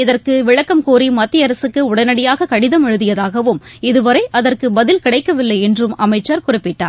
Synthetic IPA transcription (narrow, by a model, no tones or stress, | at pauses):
ɪðɐrkɯʋɪɭɐkːɐmkoːɾimɐt̪ːɪjɐɾɐsɯkːɯʊɽɐnɐɽɪjaːɣɐkɐɽɪðɐmɛɻɯðɪjɐðaːɣɐʋɯmɪðɯʋɐɾɐɪʔɐðɐrkɯbɐðɪlkɪɽɐɪkːɐʋɪlːɐɪɛndrɯmɐmɐɪt͡ʃːɐɾkʊrɪpːɪʈːa̰ːɾ